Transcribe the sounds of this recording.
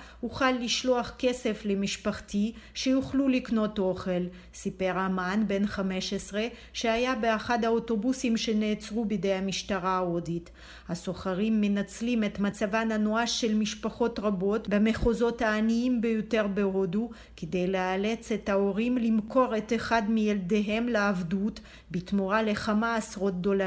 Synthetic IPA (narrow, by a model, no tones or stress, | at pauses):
uχalːiʃloaχke̞se̞flemiʃpaχtiʃejuχlulikno̞to̞χe̞l | sipe̞ʁamanbe̞nχame̞ʃesʁe̞ | ʃehajabe̞aχadhao̞to̞busimʃe̞neːt͡sʁubidejhamiʃtaʁaodit | haso̞χaʁimːenat͡slime̞t̪mat͡savananuaʃːe̞lmiʃpaχo̞tʁabo̞tbeme̞χo̞zo̞thaːniimbejo̞te̞ʁbeo̞du | ked̪e̞jleale̞t͡se̞thao̞ʁimlimko̞ʁet̪eχad̪mijeldeɦe̞mleavdut | bitmoʁale̞χamaːsʁo̞t̪̚d̪o̞la